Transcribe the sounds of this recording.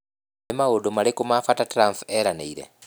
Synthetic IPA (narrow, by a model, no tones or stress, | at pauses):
emaɣodomalikumafatatɾamfeɾaneiɾḛ